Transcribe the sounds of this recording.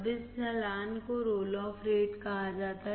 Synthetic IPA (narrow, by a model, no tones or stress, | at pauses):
bɪssɛːlaːnkoɾoːlɔːfɾeːʈkɐɦad͡ʒaːt̪aɦ